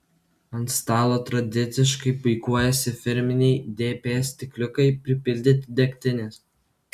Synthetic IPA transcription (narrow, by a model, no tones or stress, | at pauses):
ɐnt̪st̪ɑːlˠoːt̪ɾɐd̪ʲɪt̪sʲɪʃkɐɪpʊɪkuɔjɛsʲɪfʲɪɾʲmʲɪnʲɛɪd̪ʲeːpʲeːsʲt̪ʲɪklʲʊkɐɪpʲɾʲɪpʲɪlʲd̪ʲɪt̪ʲɪd̪ʲɛkʲt̪ʲɪnʲeːs